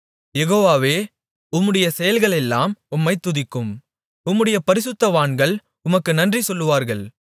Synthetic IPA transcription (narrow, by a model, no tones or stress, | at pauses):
jɛɣoːʋaːʋeː | ʊmːɯɽɐjɐsɛjɐlɣɐɭɛlːaːmʊmːɐɪt̪ːʊðɪkːɯm | ʊmːɯɽɐjɐpɐɾɪsɯt̪ːɐʋaːɳɡɐɭ | ʊmɐkːɯnɐndrisɔlːɯʋaːɾɣɐɭ